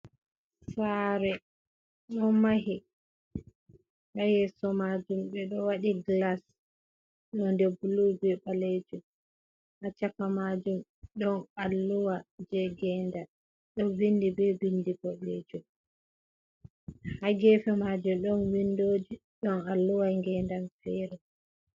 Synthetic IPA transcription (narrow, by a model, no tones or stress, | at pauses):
saɾɛ | ɗɔnmaɦi | hajɛsɔmad͡ʒumɓɛɗɔwaɗiɡlas | ɗɔndɛbulubɛɓaled͡ʒum | hat͡ʃakamad͡ʒumɗɔnalːuwad͡ʒɛɡɛnda | ɗɔnbindibɛbindibɔled͡ʒum | haɡɛfɛmad͡ʒumɗɔnwindoːd͡ʒi | ɗɔnalːuwaŋɡɛːndanfɛɾɛ